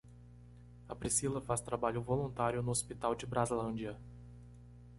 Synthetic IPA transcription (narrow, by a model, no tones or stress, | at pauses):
ɐpɾisilɐfast̪ɾabaʎʊvolũnt̪aɾjʊnʊospit̪awd͡ʒɪbɾazlɐ̃nd͡ʒiɐ